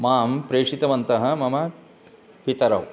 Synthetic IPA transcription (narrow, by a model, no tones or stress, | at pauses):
maːmpɾeːʂit̪ɐʋɐnt̪ɐɦɐ̆mɐmɐ | pit̪ɐɾɐʋ